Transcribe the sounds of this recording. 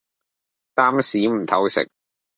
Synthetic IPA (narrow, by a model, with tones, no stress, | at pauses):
t̪aː˥msiː˨˥m̩˨˩t̪ʰɐ˨˥wsɪ̰˨k̚